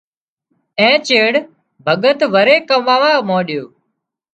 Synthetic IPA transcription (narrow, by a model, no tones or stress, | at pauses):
ẽːt͡ʃeːɽ | bʱəɠət̪ʋəɾeːkəʋaːʋaːmoːɗɪjoː